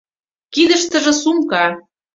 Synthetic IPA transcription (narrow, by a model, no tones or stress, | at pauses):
kid̪ə̆ʃt̪ə̆ʒĕsumkɑ